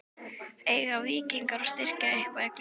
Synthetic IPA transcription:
eːjɣaviːciŋkaɾɔst̪ɪr̥caɪhkvaðɛk

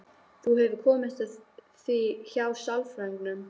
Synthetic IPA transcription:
θuhɛvɪɾkʰɔːmɪt̪ | θiçawsalfɾaŋknʏm

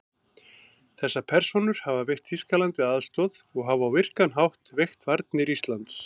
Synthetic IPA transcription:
θɛsːapʰɛɾ̥sonʏɾ̥havavɛr̥t̪hiskalant̪ɪaðst̪ɔðɔɣɦavawvɪr̥kanɦawht̪vext̪vaɾt̪nɪɾist̪lant̪s

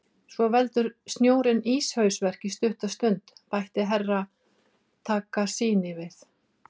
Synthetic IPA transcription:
svɔvɛlt̪ʏɾ̥st̪njoːwɾɪniːshœɥsvɛr̥cist̪ʏht̪ast̪ʏnt̪pajht̪ɪɦɛrːa | t̪ʰaːkasiːnɪvɪθ

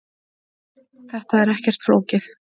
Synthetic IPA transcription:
θɛht̪aɛɾɛhcɛr̥t̪fɾoːwcɪθ

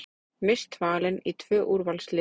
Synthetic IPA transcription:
mɪst̪vaːlɪnit̪ʰvœːʔuɾvalslɪ

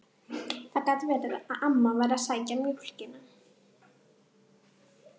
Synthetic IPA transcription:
θakaːt̪vɛːɾɪðaðʔamːavajɾasaːjcamʏhl̥cɪna

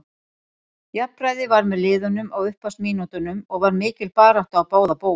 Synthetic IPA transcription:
japɾaːjðɪvaɾmɛðlɪːðʏnʏmaɣʏhpːast̪miːnut̪ʏnʏmɔɣvaɾmɪːcɪlpaːɾaht̪awpoːwðapoːw

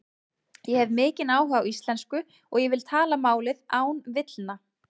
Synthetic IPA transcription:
jɛhɛvmɪːcɪnaːwɦaawist̪lɛnskʏ | ɔɣjɛvɪlt̪ʰaːlamaːwlɪðaːwnvɪt̪lna

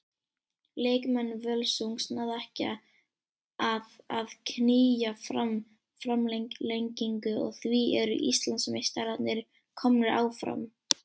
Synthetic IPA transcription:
leːjkmɛnːvœlsuŋsnaðɛhca̰ | aðaðkʰniːjafɾam | fɾamlelejɲciŋkʏɔ̰ɣθviɛɾʏ̰ʔist̪lansmejst̪alat̪nɪɾ | kʰɔmnɪɾʔa̰ːwfɾa̰m

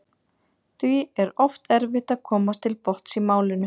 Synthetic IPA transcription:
θviɛɾɔft̪ɛɾvɪht̪aðkʰɔːmast̪ʰɪlpɔht̪simaːwlɪnːʏ

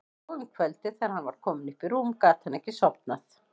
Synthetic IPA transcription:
ʏmkʰvœlt̪ɪθɛːɾ̥hanvaɾ̥kʰɔːmɪnɪhpɪɾuːmkaːt̪hanɛhcːɪsɔpnaθ

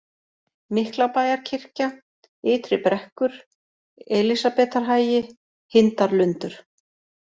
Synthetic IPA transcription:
mɪhklawpaːjaɾ̥cʰɪr̥ca | ɪːt̪ɾɪpɾɛhkʏɾ̥ | ɛlisapɛːt̪aɾ̥ɦaːjɪ | hɪnt̪aɾlʏnt̪ʏɾ̥

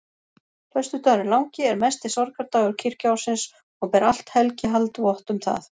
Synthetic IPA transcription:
h̪œɥst̪ʏt̪aɾɪlawŋcɪɛɾmɛst̪ɪsɔɾkʰaɾt̪awʏɾ̥cʰɪr̥cawsɪns | ɔɣpɛɾal̥t̪hɛlcɪɦalt̪vɔht̪ʏmθa̰θ

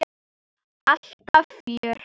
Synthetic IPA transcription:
aɬtafiːr

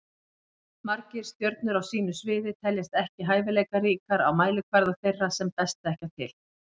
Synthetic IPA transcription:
maɾcɪɾ̥st̪jœɾt̪̚nʏɾawsiːnʏsvɪːðɪt̪ʰɛljast̪ɛhcɪɦaːjvɪlejkaɾiːkaɾa̰wmaːjlʏkʰvaɾðaθejrːasɛmt̪ajst̪aɛhcat̪ʰɪ̰l

